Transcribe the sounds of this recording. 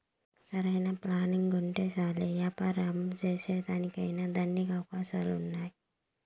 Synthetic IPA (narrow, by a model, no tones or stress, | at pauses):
sɐɾɐjnɐplaːniŋɡɡuɳʈesaːlejapɐɾɐmd͡ʒeːseːt̪aːnikɐjnad̪ɐnːikawkaːsalunːaːj